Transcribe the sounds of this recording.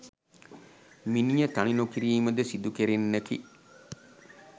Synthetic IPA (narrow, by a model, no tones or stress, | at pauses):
minijət̪aninokiɾiːməd̪əsid̪ukeɾenːəkḭ